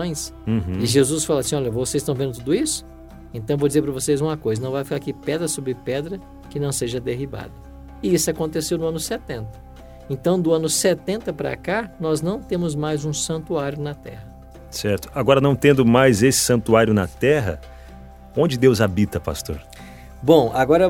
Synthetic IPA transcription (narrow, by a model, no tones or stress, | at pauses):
õj̃s̩hɪʒezusfalɐsĩɔʎɐvosezɪ̥st̪ɐ̃w̃ẽnd̪ʊt̪ud̪ʊisʊ̥ | ẽnt̪ɐ̃w̃vod͡ʒɪzeɾpɾɐvosejzũmɐkojzɐnɐ̃w̃vajfikaɾkɪpɛd̪ɾɐsobɾɪpɛd̪ɾɐ | kɪnɐ̃w̃seʒɐd̪eɦiba̰d̪ʊ | ɪisʊakõnt̪esewnʊɐ̃nʊset̪ẽnt̪ɐ̥ | ẽnt̪ɐ̃w̃d̪ʊɐ̃nʊset̪ẽnt̪ɐpɾa̰kanɔznɐ̃w̃t̪ẽmʊzmajzũsɐ̃nt̪uaɾjʊnɐt̪ɛ̰hɐ | sɛɾt̪ʊ̥aɡɔɾɐnɐ̃w̃t̪ẽnd̪ʊmajzesɪ̥sɐ̃nt̪uaɾjʊnɐt̪ɛɦɐ̰ | õnd͡ʒɪd̪ewzabit̪ɐpa̰st̪o̰ɾ | bõaɡɔɾɐ